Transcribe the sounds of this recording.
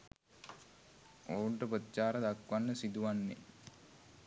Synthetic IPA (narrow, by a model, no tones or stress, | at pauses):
oːuɳʈəpət̪ːt͡ʃaːɾəd̪akʋanːəsid̪uʋanːḛ